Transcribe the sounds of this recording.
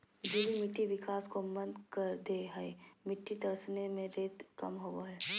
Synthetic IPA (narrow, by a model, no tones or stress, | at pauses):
d͡ʒʊlimɪʈːiʋɪkaːskomɐ̃nd̪kɐɾd̪eɦɐemɪʈːid̪ɐɾsnemẽɾeːd̪kɐmɦoaɦɛː